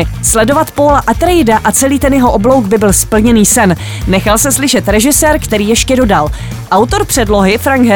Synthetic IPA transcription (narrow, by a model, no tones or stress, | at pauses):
ɪslɛdo̞vat̪poːlaʔat̪ɾɛjdaʔat͡sɛliːt̪ɛnjɛɦo̞ʔoblo̞wɡbɪbɪlspl̩ɲɛniːsɛnː | ɛxalsɛslɪʃɛt̪ɾɛʒɪsɛːɾkt̪ɛɾiːjɛʃcɛdo̞dal | ʔawt̪o̞ɾpr̥ɛdlo̞ɦɪfɾaŋɡɦɛ